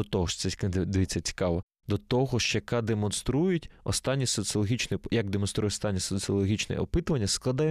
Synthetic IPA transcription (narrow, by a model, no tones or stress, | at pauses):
ɔt̪ɔɦɔʃsɛd̪d̪eʋʲit͡sʲːɐt͡sʲi̥kɑʋɔ | d̪ɔt̪ɔɦɔʃt͡ʃɔjɐkɑd̪emɔnst̪ɾujʊtʲɔst̪ɑnʲːisɔt̪sɨɔlˠɔɦʲit͡ʃnɛjɐɡ̚d̪emɔnst̪ɾujɛtʲst̪ɑnʲːisɔt̪sɨɔlˠɔɦʲit͡ʃnɛ̰ɔpɪt̪ʊʋɐnʲːɐsklˠɐd̪ɑjɛ